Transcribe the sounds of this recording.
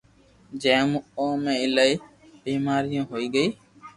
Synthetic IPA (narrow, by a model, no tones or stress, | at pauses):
d͡ʒɛ̃ːmũõːmẽːɪlaiː | biːmaːɾɪjãːɦoːiːɡəiː